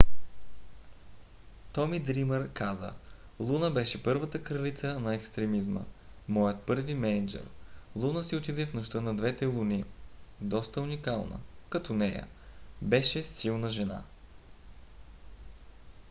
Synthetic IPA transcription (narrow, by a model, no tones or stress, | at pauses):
t̪ɔmid̪ɾiməɾkazə̰ | lˠunəbɛʃɛpɤɾvət̪əkɾɐlit̪sənɐɛkst̪ɾɛmizmə̰mɔjət̪̚pɤɾvimɛnɛd͡ʒɛ̰ɾlˠunəsiʊt̪id̪ɛfnoʃt̪ɤnɐd̪vɛt̪ɛlˠunid̪ɔst̪əunikalˠnə̰kɐt̪ɔnɛjə̰ | bɛʃɛsilˠnəʒɛna̰